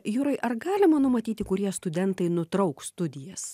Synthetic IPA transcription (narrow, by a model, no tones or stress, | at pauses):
juːɾɐɪʔɐɾɡɑːlʲɪmɐnʊmɐt̪ʲiːt̪ʲɪkʊɾʲiɛst̪ʊd̪ʲɛnt̪ɐɪnʊt̪ɾɐʊkst̪ʊd̪ʲɪjɛs